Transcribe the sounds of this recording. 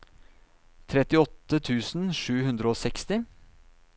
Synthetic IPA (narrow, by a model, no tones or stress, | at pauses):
t̪ʰɾɛt̪ɪɔt̪ːət̪ʰʉːsn̩ʂʉːɦʉnd̪ɾəoːsɛkst̪ɪ